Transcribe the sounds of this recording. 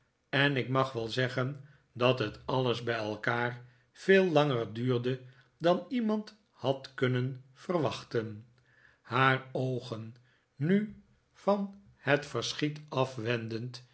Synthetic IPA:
ɛnɪkmɑχʋɛlˠzɛχən | dɑtɦətɑlˠəzbɛjɛlˠkaːr | v̥eːlˠːɑŋərdyːɹdə | dɑnimɑnt | hɑtkɵnənfərʋɑχtən | haːrowχənː | y | fɑn | hətfəɹsχitɑfʋɛndənt

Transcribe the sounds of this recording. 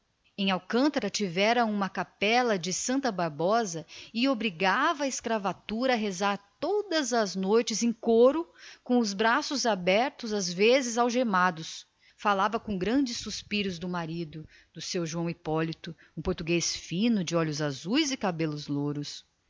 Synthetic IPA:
ẽj̃awkɐ̃nt̪ɐɾɐt͡ʃivɛɾɐũmɐkapɛlɐd͡ʒɪsɐ̃nt̪ɐbaɾbɔzɐɪobɾiɡavɐːɪskɾavat̪uɾɐːɦezaɾt̪od̪ɐzɐznojt͡ʃɪzẽj̃koɾʊkõʊzbɾasʊzabɛɾt̪ʊzazvezɪzawʒemad̪ʊs | falavɐkõɡɾɐ̃d͡ʒɪsːuspiɾʊzd̪ʊmaɾid̪ʊ | d̪ʊsewʒuɐ̃w̃ipɔlit̪ʊ | ũpoɾt̪uɡesfĩnʊd͡ʒɪɔʎʊzazujzɪkabelʊzloɾʊs

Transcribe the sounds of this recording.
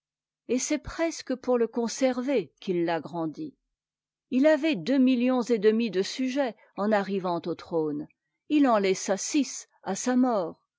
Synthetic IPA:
esɛpχɛskəpuʁləkɔ̃sɛʁvekilːaɡʁɑ̃d̪i | ilavɛd̪ømiljɔ̃zed̪əmid̪əsyʒɛ | ɑ̃naʁivɑ̃t̪ot̪χon | ilɑ̃lɛsasis | asamɔːʁ

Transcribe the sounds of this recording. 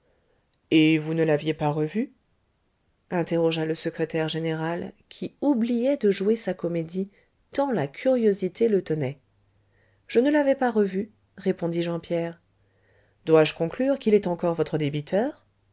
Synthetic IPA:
evunəlavjepaʁəvy | ɛ̃t̪eʁɔʒaləsəkχet̪ɛʁʒeneʁalkʲʰiublijɛd̪əʒuesakɔmed̪i | t̪ɑ̃lakʲʰyʁjozit̪elət̪ənɛ | ʒ̥ənəlavɛpaʁəvy | ʁepɔ̃d̪iʒɑ̃pjɛʁ | d̪waʒəkɔ̃klyʁkʲilɛt̪ɑ̃kɔʁvɔt̪χəd̪ebit̪ʰœːʁ

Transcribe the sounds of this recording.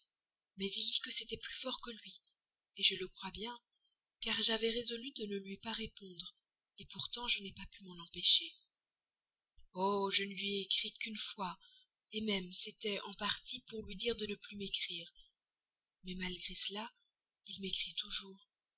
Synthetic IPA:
mɛzild̪ikəset̪ɛplyfɔʁkəlɥi | eʒələkχwabjɛ̃ | kaʁʒavɛʁezɔlyd̪ənəlɥipaʁepɔ̃d̪ʁ | epuʁt̪ɑ̃ʒənɛpapymɑ̃nɑ̃peʃe | oʒənəlɥiɛekχikynfwa | emɛmset̪ɛʔɑ̃paʁt̪ipuʁlɥid̪iʁd̪ənəplymekχiːʁ | mɛmalɡʁesəla | ilmekχit̪uʒuːʁ

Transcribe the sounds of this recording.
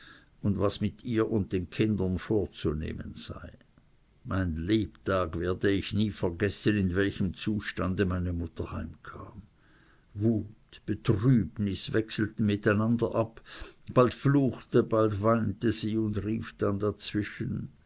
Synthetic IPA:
ʊndvasmɪtiːɐʔʊnt̚d̥eːnkʰɪndɐnfoːɐt͡sunḛːmənz̥a̰ɪ | maɪnleːptʰaːɡveːɐdəɪçniːfɛɐɡɛsənɪnvɛlçəmt͡suːʃtandəmaɪnəmʊtʰɐhaɪmkʰaːm | vuːtb̥ətʁyːbnɪsvɛksl̩tn̩mɪtaɪnandɐʔapb̥altfluːxtəbaltvaɪntəziːʊndʁiːfd̥andat͡sv̥ɪʃən

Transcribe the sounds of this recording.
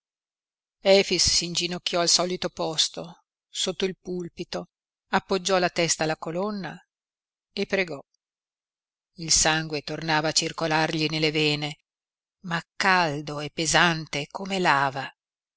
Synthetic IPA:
ɛfisːind͡ʒinokːjɔalsɔlit̪opɔst̪o | sot̪ːoilpulpit̪o | apːod͡ʒːɔlat̪ɛst̪aːlakolonːa | epːɾeɡɔ | ilsaŋɡwet̪ornaːvaːt͡ʃirkolarʎinelːevɛːne | makːald̪oɛpːezant̪ekomelaːva

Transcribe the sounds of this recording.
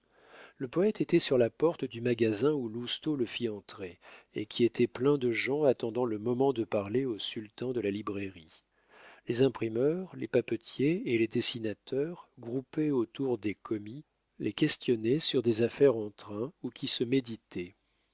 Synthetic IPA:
ləpɔɛt̪et̪ɛsyʁlapɔʁt̪d̪ymaɡazɛ̃ulust̪oləfiɑ̃t̪χeekʲiet̪ʰɛplɛ̃d̪əʒɑ̃at̪ɑ̃d̪ɑ̃ləmɔmɑ̃d̪əpaʁleosylt̪ɑ̃d̪əlalibʁeʁi | lezɛ̃pχimœʁlepapət̪jeːled̪esinat̪œʁɡʁupeot̪uʁd̪ekʰɔmi | lʔekʲɛst̪jɔnɛsyʁd̪ezafɛʁɑ̃t̪χɛ̃ukʲʰisəmed̪it̪ʰɛ

